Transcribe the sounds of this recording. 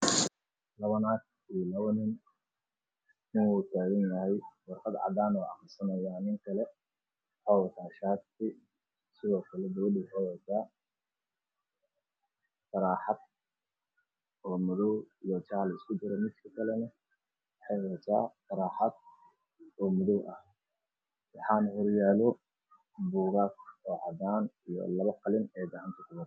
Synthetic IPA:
lɐβɐnaːk | ilɐβɐnɪn | ɪnwuːt̪ʰaːɣɐnjɐɦɛjwɑrqɑd̪ʕɑ̰d̪aːnɔːɑ̰qɪsɐnɐjaːnɪŋkʰɐlɛ | ħɔwt̪ʰaːʃaːd̪sɪ | sɪðɔːkʰɐlɛd̪ɐwɐd̪ɪħɛwɛt̪ʰaː | tɐɾaːħɑd̪̚ | ɔːmʊðɔwijɔt͡ʃaːlɐɪskʰʊd͡ʒɪɾɛmɪd̪kʰɐkʰɐlɛnɐ | wħɑjwɔt̪ʰa̰ːt̪ɐɾaːħɑd̪ | ɔːmʊðɔwʔɐh | wɑħɑːnhɔrjaːlɔ | buːɣaːkʰɔːʕɑd̪aːnijɔ̰lɐβɐqɑlɪnɛːd̪ɐʕant̪ʰɐkʰʊbɐd̪

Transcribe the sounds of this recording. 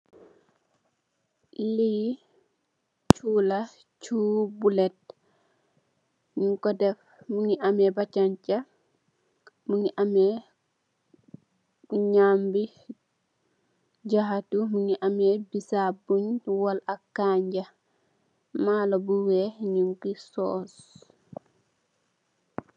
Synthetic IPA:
liji | t͡ʃuːla | t͡ʃuːbulɛt̚ | ɲiŋkɔdɛf | muniʔamɛbat͡ʃaɲt͡ʃa | muniʔamɛ | ɲambi | d͡ʒaɦatumuniʔamɛbisabuɲwalakːaɲd͡ʒa | maːlɔbuwɛɲuŋkisɔs

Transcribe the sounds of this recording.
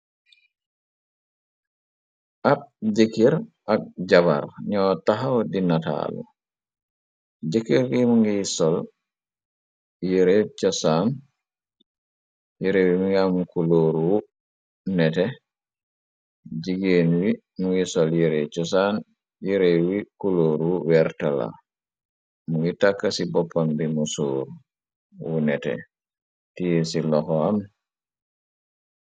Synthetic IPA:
ʔap̚d͡ʒekiɾʔak̚d͡ʒaba̰ɾɲɔtaɦawdinata̰lṵ | d͡ʒekiɾɡimuŋɡisɔl | jeɾet͡ʃɔsan | jeɾewimiŋɡamukuloːɾuwu | nɛtɛ | d͡ʒiɡeːnwi | muŋɡisɔljeɾɛt͡ʃɔsan | jeɾewikuloːɾwuwɛɾtala̰ | muŋɡitakːasibɔpːambimusoːɾu | wunɛtɛ̰ | tijesilɔxɔam

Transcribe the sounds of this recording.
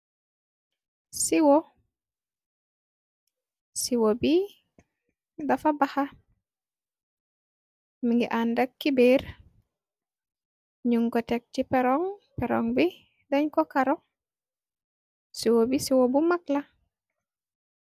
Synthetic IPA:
siwo | siwobi | dafabaha | miŋɡiʔandakːibeːɾ | ɲuŋkotek̚cipɛɾɔŋpɛɾɔ̰ŋbi | deɲkokaɾo | siwobisiwobumakla

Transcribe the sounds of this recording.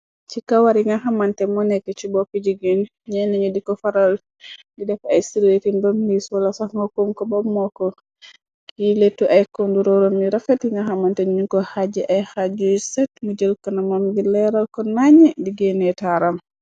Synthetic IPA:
t͡ʃikawaɾiŋɡahamantɛmɔnɛkːɛt͡ʃibɔpid͡ʒiɡin | ɲɛnɛɲudikɔfaɾal | didɛfajsiɾwetimbamniswɔlasaŋɡɔkumkɔbɔmːɔkɔ | kiletːuʔajkonduɾɔɾɔmːiɾafɛtiŋɡahamantɛɲuŋkɔhad͡ʒɛʔajhad͡ʒujsɛtmud͡ʒəlkanamamɡilɛɾalkɔnaɲɛdiɡɛnɛtaɾam

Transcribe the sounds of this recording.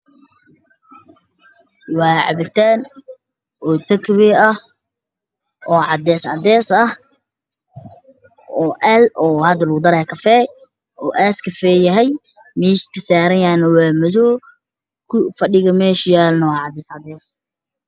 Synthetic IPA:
wɑːʕɑ̰βɪlt̪ʰaːn | ʔɔːt̪ʰɐkʰβɛɐh | ʔɔːʕɑd̪ɛːsʕɑ̰d̪ɛːsɐh | ɔːʔɛlɔːhɐd̪ɐlɐɣʊd̪ɐɾɛːkʰɐfɛː | ʔɔːʔaːskʰɐfɛːjɐɦɛj | miːʃt̪kʰɐsaːɾɐjaːnɐwaːmɐðɔː | kʰʊfɐɖɪɣɐmɛːʃjaːlnɐwɑːʕɑd̪ɛːsʕɑd̪ɛːs

